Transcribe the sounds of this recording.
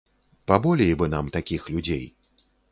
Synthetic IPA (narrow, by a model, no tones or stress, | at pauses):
pabɔlʲejbɨnamt̪akʲixlʲud͡zʲḛj